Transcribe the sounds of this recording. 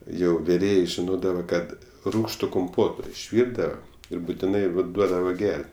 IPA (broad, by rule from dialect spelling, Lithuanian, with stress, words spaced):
ˈjɛʊ ʋʲɪˈrʲeːjeː ʒʲɪˈnoːdɐʋɐ ˈkɐt ˈruːkʃtʊ kʊmˈpoːtoː ɪʃʲˈʋʲiːrdɐʋɐ ˈɪr bʊtʲɪˈnɐɪ ʋɐ ˈduɔdɐʋɐ ˈɡʲɛrʲtʲ